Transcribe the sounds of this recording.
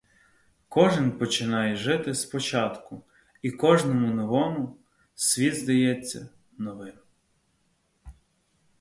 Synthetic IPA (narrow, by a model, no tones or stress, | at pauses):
kɔʒɪnpɔt͡ʃɪnɑjɛʒɪt̪ɪspɔt͡ʃɑt̪kʊ | ikɔʒnɔmʊnɔʋɔmʊ | sʲʋʲid̪zd̪ɐjɛt͡sʲːɐ̰ | nɔʋɪm